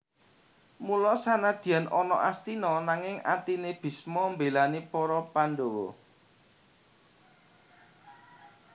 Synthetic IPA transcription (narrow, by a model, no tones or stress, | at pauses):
mulɔsanad̪̥i̤anʔɔnɔʔast̪inɔnaŋɪŋa̰t̪ineb̥i̤smɔmbelanipɔɾɔpanɖowɔ